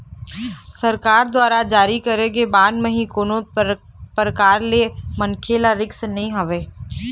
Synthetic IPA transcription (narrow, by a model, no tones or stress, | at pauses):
sɐɾkaːɾd̪waːɾad͡ʒaːɾikɐɾeɡebaːnmə̃ɦĩkoːno | pɾəkaːɾlemɐnkʰelaɾɪksnɐɦĩɦɐʋeː